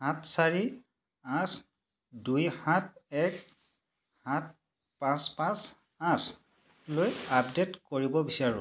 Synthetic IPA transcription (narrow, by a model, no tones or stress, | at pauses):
hãtʰsaɹi | atʰ | dujhãt̚ʰɛk | hãt̚ | pãspãs | atʰ | lojapdetkoɹibɔbisaɹʊ̰̃